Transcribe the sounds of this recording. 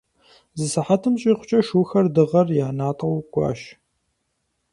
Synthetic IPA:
zɨsɨħatʰɨmɕʼiːqʷʊ̥t͡ʃʼɐʃuːxɐrdɨʁɐrjaːnaːtʼɐwɡʷʼɑ̰ːʃ

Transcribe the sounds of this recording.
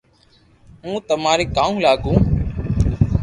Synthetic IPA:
ɦũːt̪əmaːɾeːkaːũːlaːɠũː

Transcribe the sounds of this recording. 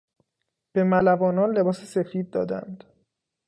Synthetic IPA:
b̥e̞mælævɒːnɒːnle̞bɒːsese̞fiːd̪̚ːɒ̰ːd̪æ̰nd̪̥

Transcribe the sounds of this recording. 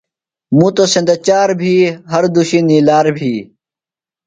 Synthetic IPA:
mũt̪osẽnd̪et͡ɕaːɾbʱiːɦɐɾd̪uɕinilaːɾbʱiː

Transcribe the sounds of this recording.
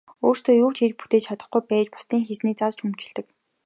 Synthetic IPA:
oːr̥st̪ʰoːjuːkt͡ɕʰet͡ɕput̪eːt͡ɕt͡ɕʰat̪ə̆χɡujpæːt͡ɕpʊ̥st̪iːŋxesniːt͡sat͡ɕɵmt͡ɕɪ̆ɮt̪ə̆k

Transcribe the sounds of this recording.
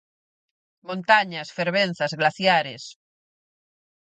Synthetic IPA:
mõnt̪aɲasfeɾβ̞en̟θazɣlaθjaɾes

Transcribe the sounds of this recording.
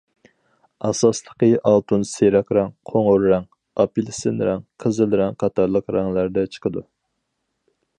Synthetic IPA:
ɑsɑslˠə̥qəʔɑlˠt̪ʰunseɾɛkɾɑŋqʰoŋʊɾɾɑŋ | ɑpilˠɪsɪnɾɛŋqʰəzɨlɾɛŋqʰɑt̪ʰɑɾlˠəqɾɑŋlˠæɾd̪ɛt͡ʃʰə̥qʰəd̪u

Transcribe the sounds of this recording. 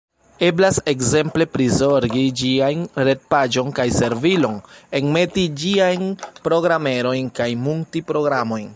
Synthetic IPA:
e̞blase̞kze̞mple̞pɾizo̞ɾɡid͡ʒiajnɾe̞t̚pad͡ʒo̞nkajse̞ɾvilo̞ne̞ŋme̞tid͡ʒiajnpɾo̞ɡɾame̞ɾo̞jnkajmuŋtipɾo̞ɡɾamo̞jn

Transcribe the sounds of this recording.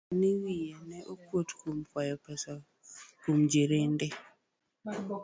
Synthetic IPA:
niwijenɛʔokwotkumkwajɔpɛsa | kumd͡ʒiɾendɛ

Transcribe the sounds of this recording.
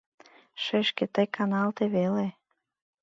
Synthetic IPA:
ʃeʃket̪əjkɑnɑlt̪eβele

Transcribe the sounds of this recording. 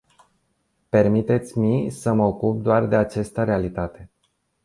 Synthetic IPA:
pe̞rmit̪e̞t̪sʲmisəməokup̚d̪oard̪e̞at͡ʃest̪əɾe̞alit̪at̪e̞

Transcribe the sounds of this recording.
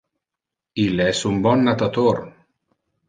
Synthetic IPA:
ilɛsumbɔnːat̪at̪or

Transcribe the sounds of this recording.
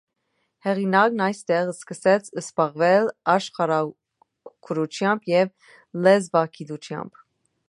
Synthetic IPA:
hɛʁinɑk̚nɑjst̪ɛʁəskəsɛt͡sʰəspɑʁvɛlɑʃχɑɾɑ | kʰəɾut͡ʃʰjɑmbjɛv | lɛzvɑkʰid̪ut͡ʃʰjɑ̰mb̥

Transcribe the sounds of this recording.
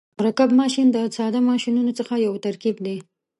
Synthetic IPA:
mʊɾakabmɑʃind̪əsɑd̪amɑʃinunot͡səxajawt̪aɾkibd̪e

